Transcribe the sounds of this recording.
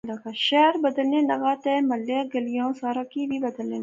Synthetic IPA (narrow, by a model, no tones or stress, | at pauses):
lɐɡaʃɛːɾbɐd̪əlnelɐɡaːt̪ɛːmɐlːeɡɐlijõːsaːɾakibʱibɐd̪əlne